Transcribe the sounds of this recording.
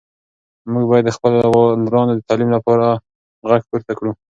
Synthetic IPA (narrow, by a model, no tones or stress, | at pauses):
muɡbɑjad̪ːəxpəllɾɑnd̪od̪ət̪ɑlimlapɑɾa | ɣaɡpuɾt̪akɽu